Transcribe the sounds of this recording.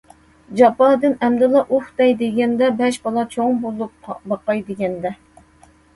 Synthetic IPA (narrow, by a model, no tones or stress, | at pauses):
d͡ʒɑpɑd̪ɨnɛmd̪ɪlˠɑʔuχt̪ɛjd̪eɡʲɛnd̪ɛbɛʃbɑlˠɑt͡ʃʰoŋbolˠup̚bɑqɑjd̪eɡʲɛnd̪ɛ